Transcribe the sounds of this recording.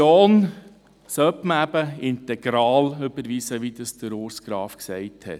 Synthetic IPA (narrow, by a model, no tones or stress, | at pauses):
oːn | sœpməæbəɪnt̪ɛɡ̥ɾɑːlʉbəɾʋiːsəʋid̪əsd̥̪əɾoːɾsɡ̥ɾɑːfksɛɪthɛ̰t